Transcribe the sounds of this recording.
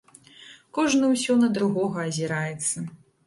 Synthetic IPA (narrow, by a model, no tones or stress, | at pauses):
kɔʐnɨwsʲɔnɐd̪ɾuɣɔɣɐɐzʲiɾajɛt̪sːɐ